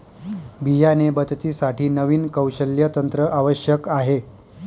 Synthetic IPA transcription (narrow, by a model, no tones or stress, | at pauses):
bijanebəd̪t̪iːsaʈiːnəʋiːnkəwɕəljət̪ənt̪ɾəʔaʋəɕjəkaɦe